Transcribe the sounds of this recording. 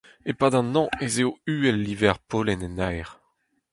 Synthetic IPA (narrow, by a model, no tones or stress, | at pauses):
epaːd̪ɑ̃nɑ̃ezeoyːɛlːivɛʁpoːlɛnɛnajʁ